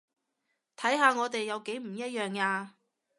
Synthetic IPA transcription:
t̪ʰɐ˨˥jɦaː˨˧ŋɔː˨˧t̪e˨jːɐ˨˧wke˨˥jm̩˨˩jɐ˥t̚jœː˨ŋaː˧

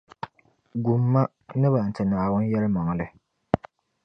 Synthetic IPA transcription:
ɡu˨mːa˦ | nɨ˦ba˨n̩˨tɨ˨naː˨wʊ˦n˦jɛ˦lɨ˦ma˨ŋ˨lɨ˦

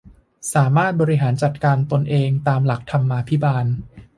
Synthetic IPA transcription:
saː˩˦maː˥˩t̪̚bɔː˧ɾi˦˥ɦaː˩˦nt͡ɕa˨˩t̪̚kaː˧nt̪o˧nʔeː˧ŋt̪aː˧mla˨˩k̚t̪ʰa˧mːaː˧pʰi˦˥baː˧n

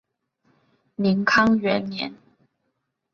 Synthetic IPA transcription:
mi˨˥ŋkʰɑ˥ŋɥɛ˧˥˦nnjɛ̰˨˧˦n

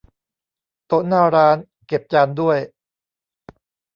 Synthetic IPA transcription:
t̪o˦˥naː˥˩ɾaː˦˥n | ke˨˩p̚t͡ɕaː˧ndu˥˩əj

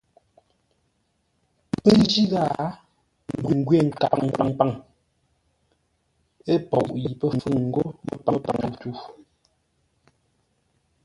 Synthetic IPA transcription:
pə˦d͡ʒi˦ɣa˦˨ | m˨bwi˨ŋ˦ɡɥwe˦˨ŋ̩˨ka˨ŋ˨pa˨ŋpa˦˨ŋ | e˦pɔ˨ʔʔji˨pə˦˨fɯ˦˨ŋŋ̩˦ɡo˦mə̰˦pa˨˦pa˨ŋ˦˨tu˦˨

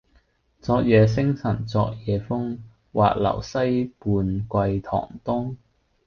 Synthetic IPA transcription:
t͡sɔː˧k̚jɛː˨˧s̬ɪ˥ŋsɐ˨˩nt͡sɔː˧k̚jɛː˨˧fʊ˥ŋ | wa̰ː˨k̚lɐ̰˨˩wsɐ˥jpuː˨˧nkʷɐ˧jt̪ʰɔ̰ː˨˩ŋt̪ʊ˥ŋ

